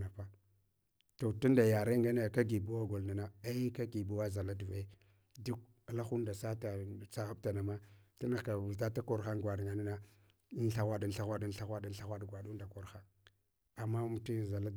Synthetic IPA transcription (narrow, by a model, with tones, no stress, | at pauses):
na˨pa˦ | to˨tu˦n˦da˨ja˨ɾe˦ŋɡa˦na˦˨ka˦ɡi˨bu˦wa˦ɡo˨lna˨na˦a˦i˦ka˦ɡi˨bu˦wa˦za˨la˦du˨va˨˦ | du˦k̚ | la˦xu˦nda˨sa˦ta˨t͡sa˨ɣa˦b̚ta˨na˨ma˦ta˦na˨ka˨u˨ta˦ta˦ko˨ɾxa˦ŋɡʷa˨dŋɡa˨ni˦na˦ | n˦ɬa˦ɣʷa˦da˨n˦ɬa˦ɣʷa˦da˦n˦ɬa˦ɣʷa˦da˦n˦ɬa˦xʷa˦dɡʷa˨du˦nda˨ko˨ɾxa˦ | a˨mːa˦m˨ti˦za˨la˦